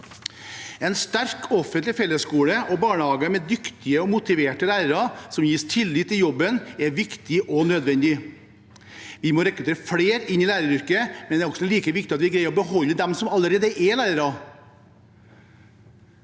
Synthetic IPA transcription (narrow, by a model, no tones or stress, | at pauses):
ɛnst̪æɾkʰɔfənt̪lɪfɛlːəskuːɽəʔɔbɑːɳəhɑːɡəmɛd̪ʏkt̪ɪəɔmʊt̪ɪʋeːʈəlæːɾəɾɑsɔmjiːst̪ʰɪlːɪt̪ʰːɪljɔbːənɛʋɪkt̪ɪʔɔnød̪ʋɛnd̪ɪ | ʋɪmɔɾɛkɾʉt̪ʰeːɾəfɽeːɾɪnːɪlæːɾəɾʏɾkəmɛnɛɾɔksɔliːkəʋɪkt̪ɪɑt̪ʋɪɡɾæɪɔbəɦɔlːəd̪ɛmsɔmɑlːəɾeːd̪əʔɛlæːɾəɾɑ